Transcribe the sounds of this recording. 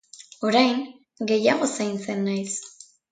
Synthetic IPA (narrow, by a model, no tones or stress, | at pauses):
o̞ɾajŋ | ɡe̞jaɣ̞o̞sajnt͡se̞nːajs